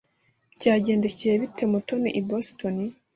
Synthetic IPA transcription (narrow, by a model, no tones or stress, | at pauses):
caːɟe̞ːnde̞cijeβitemutonḭʔibostoni